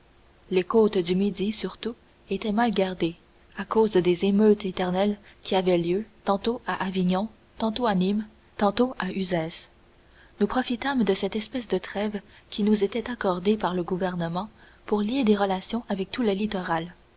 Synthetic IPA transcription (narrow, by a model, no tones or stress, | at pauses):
lekoːt̪d̪ymid̪isyʁt̪u | et̪ɛmalɡʲaʁd̪e | akoːzd̪ezemøt̪et̪ɛʁnɛlkʲiavɛljøt̪ɑ̃t̪oaʔaviɲɔ̃ | t̪ɑ̃t̪oanim | t̪ɑ̃t̪oaʔyzɛs | nupχɔfit̪amd̪əsɛt̪ɛspɛsd̪ət̪χɛvkʲinuzet̪ɛt̪akɔʁd̪epaʁləɡuvɛʁnəmɑ̃ | puʁlied̪eʁəlasjɔ̃ʔavɛk̚t̪uləlit̪ɔʁal